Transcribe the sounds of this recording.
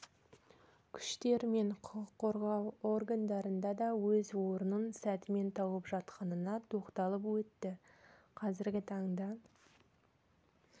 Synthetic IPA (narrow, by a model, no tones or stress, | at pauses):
kʲʰʏ̥ʃt̪e̞ɾme̞ɴqʰʊqəqʰːoɾʁɑwo̞rɡand̪ɑɾənd̪ɑd̪ɑwɵzwo̞ɾənənsæt̪ɪme̞nt̪ʰɑwəpʒɑt̪qɑnənɑt̪ʰo̞qt̪ɑlˠəpwɵt̪ːɪ | qʰɑzɪɾɡʲɪt̪ʰɑɴd̪ɑ